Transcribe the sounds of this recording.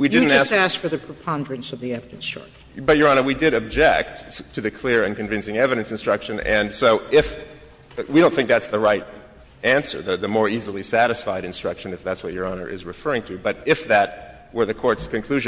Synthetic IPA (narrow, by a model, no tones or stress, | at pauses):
widɪdⁿn̩tʌæstæskfə˞ðɨpʰɹ̥ɨpʰɑ̃ndɹɨ̃nsʌvðiɛvɨɾɨ̃nstɹ̥ʌ̰k | bʌt̚jə˞ɑnə˞widɪɾɨb̚d͡ʒɛk̚tʰɨðɨkʰl̥ɪɹɨ̃nkɨ̃ɱvɪ̃nsɪ̃ŋɛvɨɾɨ̃nsɨ̃nstɹ̥ʌkʃɨ̃nɨ̃nsoʊʔɪf | wiɾõʊ̃nθɪ̃ŋk̚ðætsðəɹaɪɾ | æ̃nsə̰˞ðɨðɨmɔɹizl̩ˠisæɾɨsfaɪɾɨ̃nstɹ̥ʌkʃɨ̃nɨfðætswʌt͡ʃ̚jə˞ɑnə̰˞ʔɪ̰zɹɨfɜ˞ɪ̃ŋtʰɨbʌɾɪfðɨt̚ | wə˞ðɨkʰɔɹtskɨ̃nkʰl̥ʉʒ̃